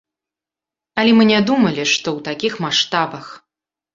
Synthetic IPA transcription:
ɐlʲɛmɨnʲad̪umɐlʲiʂt̪ɔwt̪akʲixmaʂt̪abɐx

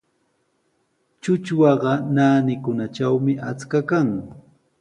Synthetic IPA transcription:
t͡ʃʊt͡ʃwɑɢɑnaːnɪkʊnat͡ʃawmɪʔat͡skakaŋ

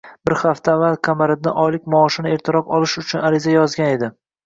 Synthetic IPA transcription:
bɪɾχaft̪ʰaːvːalˠkʲʰamaɾɪd̪nɪʔɒjlɪkʲmɒːʃɪnɪe̞ɾt̪ʰɪɾɒpɒlɪʃʊt͡ʃʰʊnaɾɪzajɒzɡʲane̞d̪ɪ

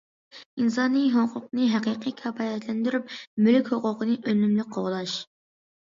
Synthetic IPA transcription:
ins̬ɑnɨɦoqʰʊqnɨɦɛqiqʰikʲʰɑfɑjɛt̪lɛnd̪yɾyp̚mylykʲhoqʊqənɨʔønymlyk̚ʲqʰoʁlˠɑʃ

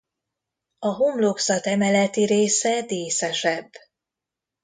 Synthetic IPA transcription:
ɒɦomloksɒt̪ɛmɛlɛt̪iɾeːsɛd̪eːsɛʃɛbː

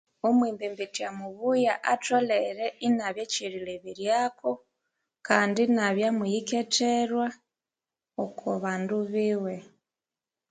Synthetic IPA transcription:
omwiːmbembitiamuβujaʔatoleɾeinaβjeciɾileβiɾjaːko | kaːndinaβjamujiketeɾwa | okʰoβaːnduβiwe

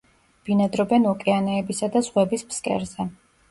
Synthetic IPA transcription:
b̥inad̪ɾɔbɛnɔkʼɛanɛːbisad̪azʁwɛbispskʼɛ̰ɾzɛ

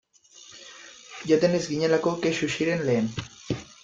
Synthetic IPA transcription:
ʝot̪e̞nezɡiɲe̞lakokeʃuʃiɾe̞nle̞ːn

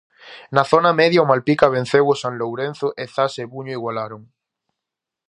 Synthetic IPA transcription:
naθonameðjaʊmalpikaβẽn̟θewʊsanlowɾen̟θʊʔeθaseβuɲʊiɣwalaɾoŋ

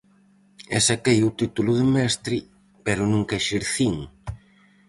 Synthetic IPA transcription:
ɛsakejʊt̪it̪ulʊðɪmɛst̪ɾi | pɛɾʊnũŋkɛʃiɾθiŋ

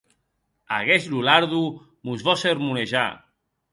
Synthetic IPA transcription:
a̰ɣɛʃlulaɾðu | muzβɔseɾmuneʒa̰

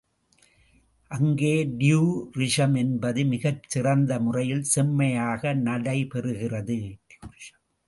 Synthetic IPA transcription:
ʔɐŋɡeːɖɪjuːɾɪʂɐmɛnbɐðɯmɪɣɐt͡ʃːɪrɐnd̪ɐmʊrɐjɪlsɛmːɐjaːɣɐnɐɽɐɪpɛrɯɣɪrɐðɯj

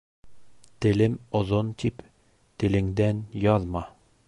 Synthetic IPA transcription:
t̪ɘ̆lɘmozont̪ip | t̪ɘ̆lɘ̆ŋd̪ænjɒðmɑ

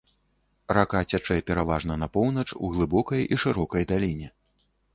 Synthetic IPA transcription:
rakat͡sʲat͡ʂɛjɛpʲɛɾavaʐnɐnɐpɔwnɐt͡ʂṵɣlˠɨbɔkɐjiʂɨɾɔkɐjd̪alʲinʲɛ

